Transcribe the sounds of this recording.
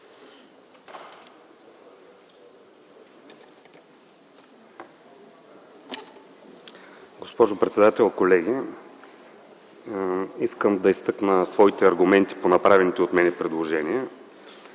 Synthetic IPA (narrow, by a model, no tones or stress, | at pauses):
ɡospɔʒopɾɛt̪sɛd̪at̪ɛlˠkolɛɡ̟i | iskəmd̪ɐist̪ɤknəsvɔit̪ɛɐɾɡʊmɛnt̪i̥ponɐpɾavɛnit̪ɛot̪mɛnɛpɾɛd̪lˠoʒɛniɛ